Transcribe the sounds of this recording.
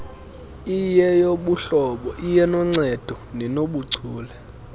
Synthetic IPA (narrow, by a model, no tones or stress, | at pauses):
ijɛjoɓuɬɔɓɔʔijɛnɔŋ͡ǀɛd̥ʱɔ | nɛnoɓuɡ͡ǀʱuːlɛ